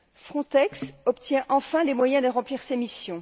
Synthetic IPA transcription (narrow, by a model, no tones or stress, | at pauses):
fχɔ̃t̪ɛksɔpt̪jɛ̃ʔɑ̃fɛ̃lemwajɛ̃d̪əʁɑ̃pliʁsemisjɔ̃